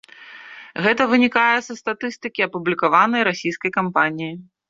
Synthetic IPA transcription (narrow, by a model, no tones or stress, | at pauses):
ɣɛt̪ɐvɨnʲikajɛsɐst̪at̪ɨst̪ɨkʲiɐpublʲikavanɐjɾasʲijskɐjkampanʲiji